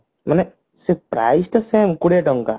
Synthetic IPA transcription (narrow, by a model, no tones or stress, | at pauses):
manɛ | sepɾa̰jsʈəsemkuɽeʈɔŋka̰